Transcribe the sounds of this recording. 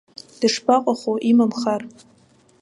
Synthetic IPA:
d̥ɨʂpʰaqʷʼaχʷoʔimamχar

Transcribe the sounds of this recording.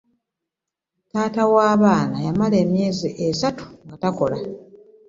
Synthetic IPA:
taːtawaːβaːnajamale̞ːmje̞ːziʔesatu̥ŋɡatako̞la

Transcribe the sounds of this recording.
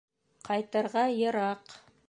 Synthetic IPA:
qʰɑjt̪ɤ̆ɾʁɑjɤ̆ɾɑq

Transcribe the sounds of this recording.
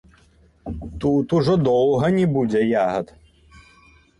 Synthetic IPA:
t̪ut̪uʐɔd̪ɔwɦɐnʲɛbud͡zʲɛjaɦɐt̪

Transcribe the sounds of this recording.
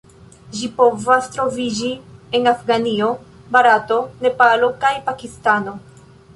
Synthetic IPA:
ʒipo̞vastɾo̞vid͡ʒie̞nafɡanio̞ | baɾato̞ne̞palo̞kajpakistano̞

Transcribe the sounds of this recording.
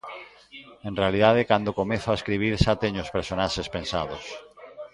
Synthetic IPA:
ẽnrealiðaðekand̪okomeθoaeskɾiβ̞iɾʃat̪eɲospeɾsonaʃespẽnsaðos

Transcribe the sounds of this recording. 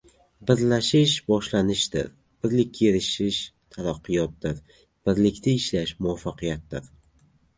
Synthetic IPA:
bɪɾlaʃɪʃbɒʃlanɪʃd̪ɪ̰ɾ | b̥ɪɾlɪk̚ʲʰːeɾɪʃɪʃt̪ʰalaqʰːɨjɒt̪̚d̪ɪɾ | b̥ɪɾlɪkʲt̪ʰɪɪʃlaʃmʊwafːaqʰɨjat̪̚d̪ɪ̰ɾ

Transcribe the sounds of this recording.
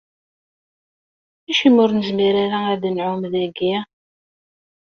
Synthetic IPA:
æʃimʊɾnəzmiɾaɾaæd̪nʕʊmðæɡi

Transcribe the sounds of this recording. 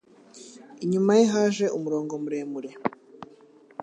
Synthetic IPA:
iɲumajeɦaːʒe̞ʔumuɾo̞ːŋɡo̞muɾe̞ːmuɾe̞

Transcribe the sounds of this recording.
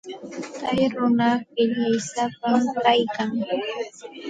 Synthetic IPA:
t̪ajɾʊnɑχɪʎajsapamkajkaŋ

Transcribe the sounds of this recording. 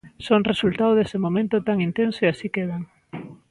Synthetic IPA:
soŋresult̪awð̞esɪmomẽnt̪ʊt̪aŋint̪ensoiasikeð̞aŋ

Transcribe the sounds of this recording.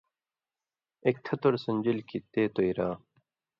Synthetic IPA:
ek̚t̪ʰɐt̪oɾsɐnd͡ʑilkit̪eːt̪oiɾaː

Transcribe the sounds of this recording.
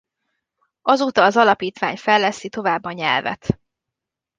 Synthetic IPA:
ɒzoːt̪ɒːzɒlɒpiːt̪ʋa̰ːɲfɛlːɛsːit̪o̞vaːbːɒɲɛ̰lvɛ̰t̪

